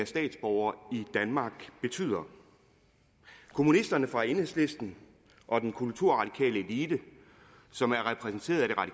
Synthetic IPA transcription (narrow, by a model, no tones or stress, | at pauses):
æsd̥ɛ̰ːd̥sb̥ɒʊɐːid̥ænmɑ̈ːɡ̥b̥e̝t͡sʰy̰ð̰ˠɐ | kʰo̝munisd̥ɐnəfʁɑ̈e̝ːnhe̝sle̝sd̥n̩ | ʔɒ̽d̥enkʰult͡sʰuɐ̰ʁɑ̈ɾ̥ikʰɛ̰ːləe̝liːd̥ə | sɒ̽mæɐʁɛpʰʁɛs̬n̩t͡sʰe̝̰ːɐðˠæɾ̥e̝ʁɑ̥̈i